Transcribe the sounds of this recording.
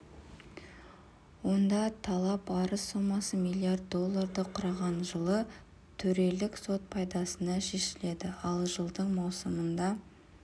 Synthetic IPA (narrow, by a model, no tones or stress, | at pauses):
wo̞nd̪ɑt̪ʰɑlˠɑpɑɾəsːo̞mɑsəmijlʲˠiart̪̚ːo̞lˠːaɾd̪əqʰʊɾɑʁɑnʒəlˠə | t̪ʰɵɾe̞lɪkso̞t̪̚pʰɑjd̪ɑsənɑʃe̞ʃɪle̞d̪ɪɑlˠʒəlˠd̪əɴmɑwsəmənd̪ɑ